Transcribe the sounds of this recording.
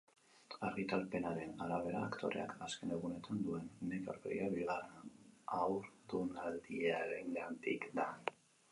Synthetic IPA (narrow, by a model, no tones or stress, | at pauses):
arit̪alpe̞naɾe̞nalaβ̞e̞ɾa̰ːkt̪ʰo̞̰ɾʔe̞̰a̰kaske̞ne̞ɣ̞une̞t̪ʰand̪ue̞nːeko̰ɾpḛɾiaβiɣaɾeawɾd̪unald̪ieaɾeŋɡant̪ikd̪a